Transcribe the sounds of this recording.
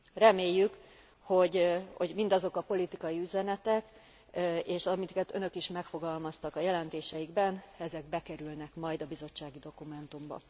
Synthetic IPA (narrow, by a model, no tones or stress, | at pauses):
rɛmeːjːyk | ho̞ɟho̞̰ɟmind̪ɒzo̞kɒpo̞lit̪ikɒjiyzɛnɛt̪ɛk | eːʃɒmikɛt̪ø̞nø̞kiʃmɛkfo̞ɡɒlmɒst̪ɒkɒjɛlɛnt̪eːʃɛjiɡbɛnɛzɛɡ̚bɛkɛɾylnɛkmɒjd̪ɒbizo̞t͡ʃːaːɡid̪o̞kumɛnt̪umbɒ̰